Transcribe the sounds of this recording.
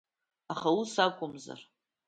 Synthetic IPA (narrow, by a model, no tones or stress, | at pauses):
aχausakʷʼʊmza̰r